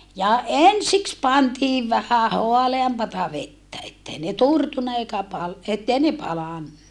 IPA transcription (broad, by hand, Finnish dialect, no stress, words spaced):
jɑ ensiks pɑntiːʋ ʋæhæ hoɑleɑmpɑtɑ ʋetːæ etːei ne turtunːɑ eikæ pɑl etːei ne pɑlɑnːɑ